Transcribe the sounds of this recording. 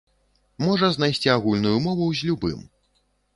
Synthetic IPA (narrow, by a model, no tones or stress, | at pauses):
mɔʐɐznajsʲt͡sʲiaɣulʲnujumɔvuwzʲlʲubɨ̰m